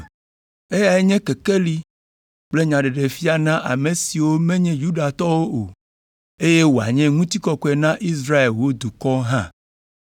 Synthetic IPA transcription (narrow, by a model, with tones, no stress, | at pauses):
e˦ja˨e˦ɲɛ̃˦ke˨ke˦li˦ | k͡ple˦ɲã˨ɖe˨ɖe˨fi˦a˨nã˦ʔa˨mẽ˨si˨wo˦mɛ̃˦ɲɛ̃˦ju˦ɖa˨t̪ɔ˦wo˦ʔo˨ | e˦je˦wo˨a̰˨ɲɛ̃˦ŋũ˦t̪i˦kɔ˦kɔ˦ɛ˨nã˦ʔi˦s̬ɾa˦e˨lwo˦d̪u˨kɔ˦ɦã˦